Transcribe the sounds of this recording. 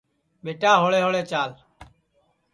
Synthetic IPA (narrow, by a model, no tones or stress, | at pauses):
ɓeːʈaːɦoɭeːɦoɭeːt͡ʃaːl